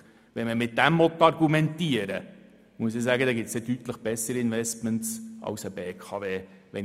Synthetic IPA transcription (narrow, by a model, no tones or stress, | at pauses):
ʋɛnməmɪt̚d̥æmvɔt̪ːɑrɡumɛntiəɾə̰ | muəs̬ɪsæːɡəd̪ɛːɡɪtsɛdyt̪ləχb̥ɛsːəɾiɪnvɛstməntsɑ̰ʊsəbeːkʰɑːveːʋɛn